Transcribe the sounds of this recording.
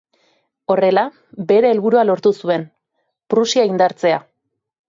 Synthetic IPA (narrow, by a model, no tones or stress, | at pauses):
o̞re̞la | be̞ɾe̞ːlβuɾualo̞ɾt̪usue̞n | pɾusiaind̪aɾt͡se̞a